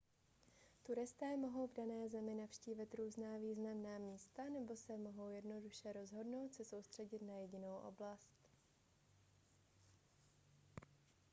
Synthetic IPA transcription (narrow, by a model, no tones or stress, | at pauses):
t̪uɾɪst̪ɛːmo̞ɦo̞wvdanɛːzɛmɪnafʃciːvɪt̪ɾuːznaːviːznamnaːmiːst̪anɛbo̞sɛmo̞ɦo̞wjɛdno̞duʃɛɾo̞zɦo̞dno̞wt̪sɛso̞wst̪r̝̥ɛɟɪt̪najɛɟɪno̞wʔo̞̰blast̪